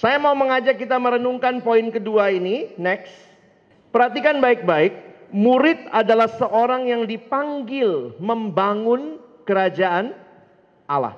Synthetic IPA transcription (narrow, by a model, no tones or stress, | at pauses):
sajamauməŋad͡ʒakːit̪aməɾənuŋkanpoɪnkəduaininɛks | pəɾɦat̪ikanbaɪk̚baɪk̚muɾɪt̪̚adalahsəʔoɾaŋjaŋdipaŋɡɪlməmbaŋʊnkəɾad͡ʒaʔan | ʔala̰h